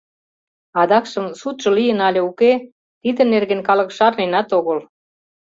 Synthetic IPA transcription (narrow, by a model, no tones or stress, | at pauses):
ɑd̪ɑkʃə̆msut̪ʒ̥ɤ̆lijə̆nɑlʲĕuke | t̪id̪ə̆nerɣenkɑlə̆kʃɑrnenɑt̪oɣəl